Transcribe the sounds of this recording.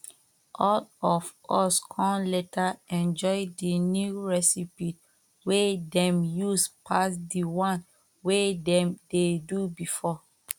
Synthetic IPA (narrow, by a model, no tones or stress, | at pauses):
ʔɔlɔfɔskʰɔ̃nletaɛ̃nd͡ʒɔɪdinjuɹɛsipit | wedɛ̃mjuspʰasdiwãn | wedɛ̃mdedubifɔ